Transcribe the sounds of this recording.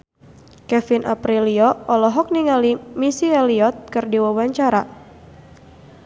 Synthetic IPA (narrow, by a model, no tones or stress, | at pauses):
kɛfinʔa̰pɾiliɔɔlɔɦɔk̚niŋalimisialiɔt̪̚kɨrdiwawaɲt͡ʃaɾa